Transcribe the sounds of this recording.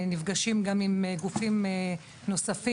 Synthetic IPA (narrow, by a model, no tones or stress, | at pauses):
nivɡaʃimɡamimeɡufime | no̞safi